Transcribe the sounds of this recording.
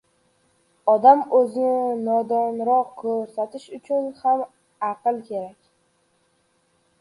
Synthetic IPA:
ɒd̪amɵzɪnɪnɒd̪ɒnɾɒqkʰɵɾsat̪ʰɪʃʊt͡ʃʰʊnham | ɑqɨlˠkʲʰe̞ɾakʲ

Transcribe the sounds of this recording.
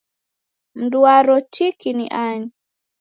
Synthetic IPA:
m̩duaɾɔtikinḭʔaɲi

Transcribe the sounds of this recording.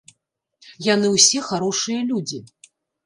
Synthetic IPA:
janɨwsʲɛxaɾɔʂɨjɐlʲud͡zʲi

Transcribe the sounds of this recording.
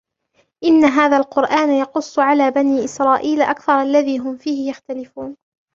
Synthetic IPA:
ʔɪnːaɦaːðaːlqʊɾʔaːnajɑqʊsˤːʕalaːbaniːʔɪsɾˤɑːʔiːlʔakθɑɾˤʔalːaðiːɦʊmfiːhɪjaxt̪alɪfuːn

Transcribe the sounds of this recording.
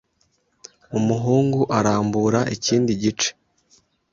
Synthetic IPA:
umuɦuːŋɡuʔaɾaːmbuːɾaʔiciːndiɟit͡ʃe̥

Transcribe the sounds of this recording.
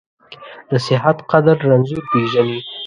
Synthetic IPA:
d̪əsɪɦat̪qad̪aɾːanzuɾpeʒani

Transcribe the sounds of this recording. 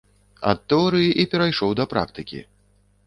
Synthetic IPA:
ɐ̰t̪ːɛɔɾɨjiʔipʲɛɾajʂɔwd̪ɐpɾa̰k̚t̪ɨkʲḭ

